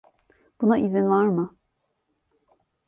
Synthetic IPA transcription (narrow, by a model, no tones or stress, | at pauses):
b̥unaʔizinvaɾmɯ